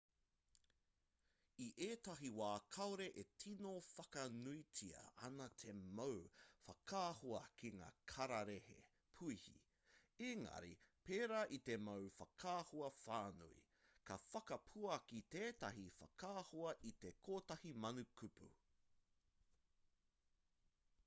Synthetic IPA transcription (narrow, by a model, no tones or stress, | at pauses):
iʔeːtɐɦiwaːkʰɐwɾeʔetʰinofɐkɐnuitʰiɐ̰ɐ̰nɐt̪ʰe̞mɐwfɐkʰaːhoɐkiŋa̰ːkʰɐɾɐɾehḛ | pʰuihḭ | eŋɐ̰ɾḭpeːɾaːʔit̪e̞mɐwfɐkʰaːhoɐfaːnṵḭ | kɐfɐkɐpʰuɐkit̪eːtɐɦifɐkʰaːhoɐʔit̪ekʰoːtɐhimɐnukʰupṵ